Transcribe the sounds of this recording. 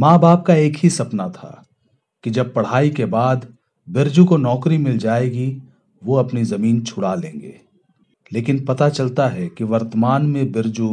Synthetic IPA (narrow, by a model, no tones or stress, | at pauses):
mãːbaːp̚kaeːkɦisɐpnat̪ʰa̰ː | kid͡ʒɐb̚pɐɽ̤aːikebaːd̪ | bɪɾd͡ʒukonɔːkɾimɪld͡ʒaːeːɡi | ʋoɐpnizɐmiːnt͡ʃʰʊɽalḛ̃ːŋɡḛː | leːkɪnpɐt̪at͡ʃɐlt̪aɦɛkiʋɐɾt̪əmaːnmẽbɪɾd͡ʒu